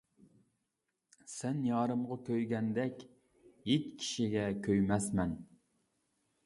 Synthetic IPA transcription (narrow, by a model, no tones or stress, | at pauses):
sɛnjɑːɾɨmʁɑkʲʰøjɡʲɛnd̪ɛkʲ | jetʲkʲʰi̥ʃiɡʲɛkʲʰøjmɛsmɛn